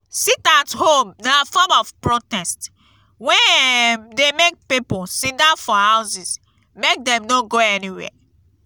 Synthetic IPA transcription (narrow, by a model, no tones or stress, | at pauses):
sitashomnafɔmɔvpɹotɛst | wɛ̃demek̚piposĩndafɔhaʊsis | mek̚dɛ̃mnoɡoɛniwɛ̰